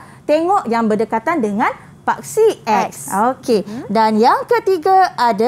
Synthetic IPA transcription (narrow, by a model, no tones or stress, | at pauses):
t̪eŋɔʔjaŋbərdəkat̪andəŋãn | pak̚siʔɛksokedanjaŋkət̪iɡaada